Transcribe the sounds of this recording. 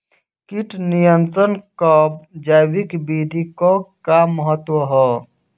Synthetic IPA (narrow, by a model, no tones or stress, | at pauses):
kiʈnijənt̪ɾənkəp̚d͡ʒaːwikbid̪ʱikokaməɦət̪wəɦɛ